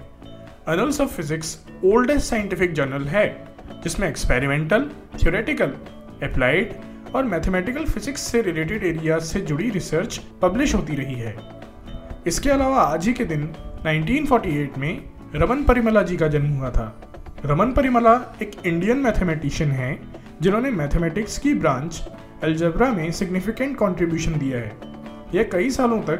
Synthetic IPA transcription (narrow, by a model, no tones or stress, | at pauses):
ɐnəlsɔʋfɪzɪks | oːlɖesːaːɪɪ̃ɳʈɪfɪk̚d͡ʒɐɾnəlɦɛː | d͡ʒɪsmẽɛkspeːɾɪmẽːɳʈəl | t̪ʰjoːɾeːʈɪkəl | ɛplaːɪʈ | ɔːɾmɛːt̪ʰemɛːʈɪkəlfɪzɪksːeɾɪleːʈ̬ɪɖeːɾijased͡ʒʊɽiɾɪsəɾt͡ʃpɐblɪʃɦoːt̪̬iɾɐɦiɦɛː | ɪskeɐlaːʋaaːd͡ʒɦiked̪ɪnːãːɪ̃ɳʈiːnfɔːɾʈieːʈmẽ | ɾɐmənpɐɾɪməlad͡ʒikad͡ʒɐnmɦuat̪ʰa̰ː | ɾɐmənpɐɾɪməlaeːkɪ̃ɳɖijənmɛːt̪ʰemɛːʈɪʃənɦɛ̃ | d͡ʒɪnɦõːnemɛːt̪ʰemɛːʈɪkskibɾãːɲt͡ʃ | ɛld͡ʒəbɾamẽsɪɡnɪfɪkə̃ɳʈ̚kɔ̃ːɳʈɾɪbjuːʃənd̪ijaɦɛ̰ː | jekɐisaːlõt̪ɐk̚